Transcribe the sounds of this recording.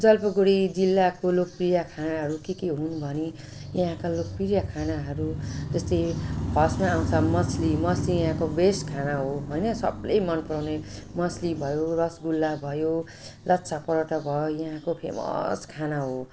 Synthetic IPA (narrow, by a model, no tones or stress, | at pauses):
d͡zʌlpʌɡuɽid͡zilːakolok̚prijakʰanaɦʌɾukikeɦunbʱʌni | jaɦãkalok̚pirjakʰanaɦʌɾud͡zʌst̪ʌjbʱʌsmaːw̃t͡sʰʌmʌslimʌslijãɦãkobeskʰanaɦoɦojnʌsʌ̰blḛjmʌnpʌɾawnemʌslibʱʌjorʌsɡulːabʱʌjo | lʌtːsʰapʌɾʌʈʌbʱʌjojaɦãkopʰḛmʌ̰skʰanaɦo